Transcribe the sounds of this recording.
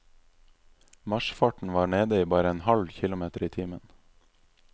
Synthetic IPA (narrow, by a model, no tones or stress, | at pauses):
mɑʃfɑːʈɳ̩ʋɑːɳeːd̪əiːbɑːɾəeːnhɑlçɪlʊmeːt̪əɾiːt̪ʰiːmən